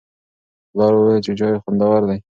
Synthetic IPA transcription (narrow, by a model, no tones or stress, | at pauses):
lɑɾowet͡ʃed͡ʒɑjxʊnd̪awaɾd̪aj